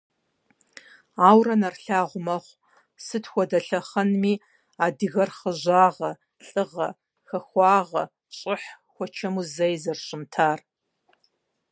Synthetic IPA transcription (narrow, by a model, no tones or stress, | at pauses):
aːwrɐnɐrɬaːʁʷʊmɐχʷ | sɨtʰxʷɔdɐɬɐχɐnmiː | aːdɨɣɐrχəʑaːʁɐ | ɬʼɨʁɐ̰ | xɐxʷɑːʁɐ̰ | ɕʼɪħ | xʷɔt͡ʃʰɐmuzɐjzɐrɕʼɪmtʰaːr